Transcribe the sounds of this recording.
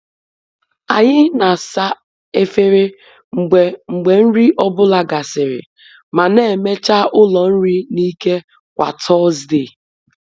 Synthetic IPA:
a˨ɲɪ˦na˨sa˦ | e˦fe˦ɾɪ˦˨ | ŋ͡m̩˨ɡ͡be˨n̩˦ɾi˦ʔɔ˦bʊ˦la˦ɡa˨sɪ˨ɾɪ̰˨ | ma˨ne˦˨e˨me˦t͡ʃa˦ʔʊ˦lɔ˨n̩˦ɾi˦ni˦ke˦ | kʷa̰˨tʰɔ˦zde˦˨

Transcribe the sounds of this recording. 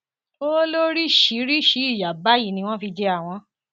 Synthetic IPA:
o˦lo˦ɾi˦ʃi˨˦ɾi˦ʃi˨˦i˦˨ja˨ba˨˦ji˦˨nĩ˧w̃ɔ̃˦fi˧d͡ʒɛ˧a˦˨w̃ɔ̃˧˦

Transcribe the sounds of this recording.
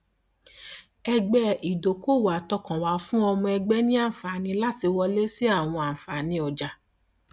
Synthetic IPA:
ɛ˧ɡ͡bɛ˦i˨do˨˦ko˦˨wa˨tɔ˧kã˨wa˨˦fũ˦ɔ˧mɔ̃˧ɛ˧ɡ͡bɛ˦nĩ˦ã˦˨fa˨nĩ˧˦la˦ti˧wɔ˧le˦si˦a˦˨w̃ɔ̃˧ã˨fa˨nĩ˧ɔ˨d͡ʒa˨

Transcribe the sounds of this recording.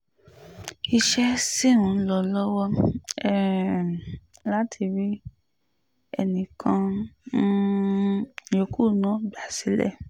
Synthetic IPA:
i˧ʃɛ˦si˦˨ɾũ˨˦lɔ˧˨lɔ˦wɔ˧ɛ˦˨ | la˦tʰi˧ɾi˦ | ɛ̰˧nĩ˨kʰã˧n̩˦ | jo˨˧ku˦˨nã˨˦ɡ͡ba˨si˨˦lɛ̰˦˨

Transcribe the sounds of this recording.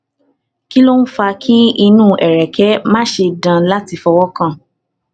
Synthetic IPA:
ki˦lo˦n̩˦fa˧kʰi˦i˧nũː˦˨ʔɛ˨ɾɛ˨kɛ˨˦mã˦ʃe˧dã˧la˦ti˧fɔ˧wɔ˦kã˦˨

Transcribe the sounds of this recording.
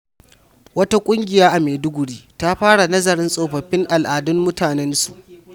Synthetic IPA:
wɐ˦ta˦kʷʼʊ˦ŋɡʲɪ˨jaː˦ʔa˨meː˨dʊ˦ɡʷʊ˨ɽiː˦ta˦ɸaː˦ɽa˨nɐ˦zɐ˨ɾɪ˦nsʼoː˨ɸɐ˨ɸɪ˦ŋʔa˨lʔaː˨dʊ˦mːʊ˦taː˨nɛ˦nsu˨ʔ

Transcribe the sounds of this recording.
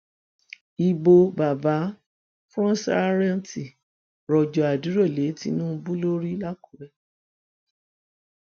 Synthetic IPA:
i˧bo˧ba˨ba˨˦ | fɔ̃˦sa̰˦ɾɛ˦n˨ti˨ | ɾɔ˨d͡ʒɔ˨a˨du˨˦ɾɔ˦˨le˨˦ti˧˦nũ˦˧bu˦lo˦ɾi˦la˦ku˨˦ɾɛ˦

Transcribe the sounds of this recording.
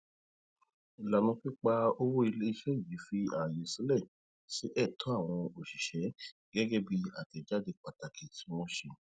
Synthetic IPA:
i˨la˨mĩ˧k͡pi˦k͡pa˦o˧wo˦i˧le˦i˧ʃɛ˦i˦˨ji˨˦fi˦ã˦˨ji˨˧˨si˦lɛ˦˨ | si˦ʔɛ˦˨tɔ̃˨˦a˦˨w̃ɔ̃˧o˨ʃi˨ʃɛ˨˦ | ɡ̥ɛ˦ɡɛ˦bi˧a˨ti˨d͡ʒa˦de˧k͡pa˨ta˨kʰe˨tĩ˨˦w̃ɔ̃˦ʃe˧

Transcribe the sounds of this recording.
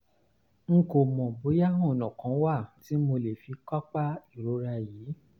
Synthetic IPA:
ŋ̩˨ko˨mɔ̃˨bo˨˦ja˦ɦɔ̃˦˨nɔ̃˨kã˨˦wa˦˨ti˨˦mo˧le˨fi˧ka˦k͡pa˦i˦˨ɾo˨˦ɾa˧jiː˨˦

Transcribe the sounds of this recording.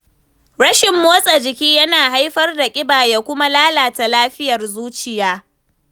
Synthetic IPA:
ɽɐ˦ʃɪ˨mːoː˦sʼa˨d͡ʒɪ˨kʲiː˦jɐ˦naː˨ɦa˦jɸɐ˦rda˨kʲʼɪ˦baː˨ja˦kʷʊ˦ma˦laː˦laː˨ta˨laː˦ɸɪ˦jɐ˨rzuː˦t͡ʃɪ˨jaː˦

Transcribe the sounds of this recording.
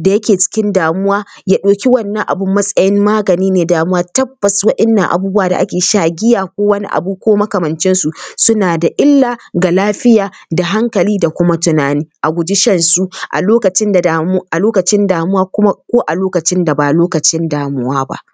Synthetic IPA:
da˨jɐ˦kʲeː˨t͡ʃɪ̥˦kʲɪ˦ndaː˨mʊ˦waː˦jaː˦ɗoː˨kʲi˦wɐ˦nːɐ̃˦ŋʔa˨bʊ˦mːɐ˦sʼɐ˦jɪ˦mmaː˦ɡɐ˨niː˦neː˨daː˨mʊ˦waː˦tɐ˦b̥ːɐ˨swɐ˦ʔɪ˦nːɐ˨ŋʔa̰˨buː˦bu˦waː˨da̰˨ʔa̰˦kʲeː˨ʃaː˦ɡʲɪ˦jaː˨kʷoː˦wɐ˦nḭ˦ʔa̰˨bu˦kʷoː˦mɐ˦kɐ˨mɐ˨nt͡ʃɪ˦nsu˨sʊ˦naː˨da˨ʔɪ˦lːaː˨ɡa˨laː˦ɸɪ˦jaː˨da˨ɦa˦ŋkɐ˨liː˦da˨kʷʊ˦ma˦tʊ˨naː˨niː˦ʔa˨ɡʷʊ˨d͡ʒɪ˦ʃɐ˦nsu˦ʔa̰˨loː˦kɐ˨t͡ʃɪ˦nda˨ʔa˨loː˦kɐ˨t͡ʃɪ˦ndaː˨mʊ˦waː˦kʊ˦ma˦kʷoː˦ʔa˨loː˦kɐ˨t͡ʃɪ˦nda˨baː˨loː˦kɐ˨t͡ʃɪ˦ndaː˨mʊ˦waː˦ba̰˦ʔ

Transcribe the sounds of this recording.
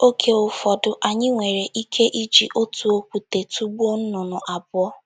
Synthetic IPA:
o˦kʰe˦ʊ˨fɔ˨dʊ˦ʔa˨ɲɪ˦ŋʷe˨ɾe˨ʔi˦kʰe˦ʔi˦d͡ʒḭ˨ʔo˦tu˨o˦kʷu˨te˨tu˦ɡ͡bo˦n̩˦nʊ˨nʊ˨ʔa˨bʊ˦ɔ˦

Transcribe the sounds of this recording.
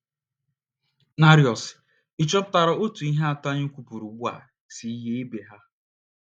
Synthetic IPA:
na˦ɾjɔ˨s | i˨t͡ʃɔ˦ta˨ɾɔ˨o˦tu˨i˦ɦa˦a˦ta˦ɲ̩˦kʷu˨pu˨ɾu˨ɡ͡bu˦a̰˨ | si˨˦ɦe˦e˦be˨ɦa˦

